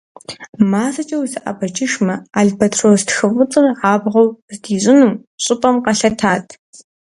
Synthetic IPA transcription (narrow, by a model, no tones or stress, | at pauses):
maːsɐt͡ʃʼɐwizɐʔɐ̰bɐt͡ʃʰʼɪʃmɐaːɮbɐtʰroːztxɨwʷʊt͡sʼɨrʕaːbʁɐwzdiːɕʼɪnuːm | ɕʼɪpʼɐmqɐɬɐtʰaːtʰ